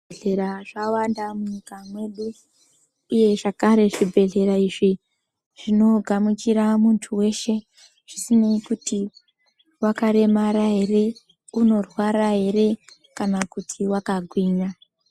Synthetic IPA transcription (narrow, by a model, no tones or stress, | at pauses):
ɮeɾaʐawandamuɲikamwe̞ɗuː | je̞ʐakaɾe̞ʐibʱe̞ɮe̞ɾaiʐi | ʐ̥ino̞ɡʱamukiɾamuntʰuwe̞ʃe̞ | ʐ̥isineikuti | wakaɾe̞maɾaɦe̞re̞ | uno̞rwaɾaɦe̞re̞ | kanakutʰiwakaɡʱwiːɲa